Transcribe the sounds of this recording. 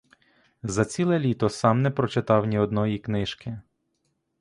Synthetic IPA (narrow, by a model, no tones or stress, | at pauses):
zɐt͡sʲilˠɛlʲit̪ɔsɑmnɛpɾɔt͡ʃɪt̪ɑwnʲiɔd̪nɔjiknɪʃkɪ